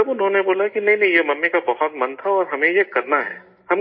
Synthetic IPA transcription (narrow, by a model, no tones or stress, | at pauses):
ɐbʊnɦõneboːlakinɐɦĩnɐɦĩjemɐmːikabɐɦɔt̪mɐnt̪ʰaɔːɾɦɐmẽjekɐɾnaɦɛ̰ː | hɐm